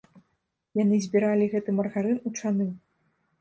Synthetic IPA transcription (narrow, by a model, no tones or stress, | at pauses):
janɨzʲbʲiɾalʲiɣɛt̪ɨmɐrɣaɾɨnut͡ʂanɨ